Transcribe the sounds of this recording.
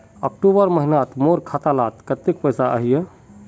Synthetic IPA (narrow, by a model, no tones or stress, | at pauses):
ək̚ʈubəɾməɦinat̪moɾkʰat̪alat̪kət̪ːekpəjsaʔə̰ɦije